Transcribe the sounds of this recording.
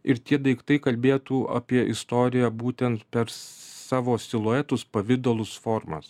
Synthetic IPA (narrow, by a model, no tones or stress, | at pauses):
ɪɾt̪ʲiɛd̪ɐɪkt̪ɐɪkɐlʲbʲeːt̪uːɐ̰pʲiɛʔɪst̪oːɾʲɪjæbuːt̪ʲɛnt̪pʲɛɾsɑːʋoːsʲt̪ʲɪlˠoːɛt̪ʊspɐʋʲɪd̪oːlˠʊsfoːɾmɐ̰s